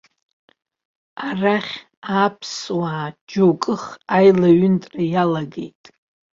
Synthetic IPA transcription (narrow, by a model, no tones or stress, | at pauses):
araχʲ | apʰswaːd͡ʒowkʼɨχajlaɥʏntʼrajalaɡe̞̰jtʼ